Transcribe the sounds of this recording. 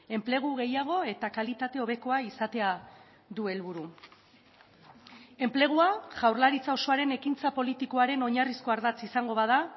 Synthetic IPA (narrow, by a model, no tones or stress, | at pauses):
e̞mple̞ɣ̞uɣe̞jaɣ̞o̞e̞t̪akalit̪at̪e̞o̞βe̞ko̞aisat̪e̞a | ðue̞lβuɾu | e̞mple̞ɣ̞uaʝawrlaɾit͡sao̞so̞aɾe̞ne̞kint͡sapo̞lit̪iko̞aɾe̞no̞ɲarisko̞aɾðat͡sisaŋɡo̞βað̞a